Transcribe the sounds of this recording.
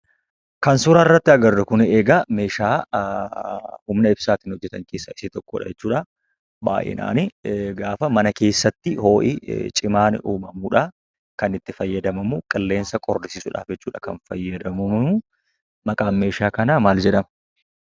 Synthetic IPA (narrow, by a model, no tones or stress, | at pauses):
kɐnsʊɾɐɪrːɐt̪ːɪɐɡɐrːɛkʊneːɡɐme̞ːʃaː | hʊmnɐɪbsaːt̪ɪnhɔd͡ʒːɛt̪ɐŋkeːsːɐɪsɪt̪ɔkːo̰ːᶑɐ̰d͡ʒɛt͡ʃːuːᶑɐ | ba̰ːʔɪ̰na̰ːnɪɡaːfɐmɐnɐke̞ːsːɐt̪ːɪho̞ːʔɪ̰t͡ʃʼɪmaːn̰ʔuːmɐmuːᶑɐ | kɐnɪt̪ːɪfɐjːɐd̪ɐmɐmukʼɐlːe̞ːnsɐkʼɔrːɪsɪsʊᶑa̰ːfd͡ʒɛt͡ʃːuːᶑɐkɐ̰nfɐjːɐd̪ɐmɐmɐu | mɐkʼaːme̞ːʃaːkɐnɐmaːld͡ʒɛᶑɐmɐ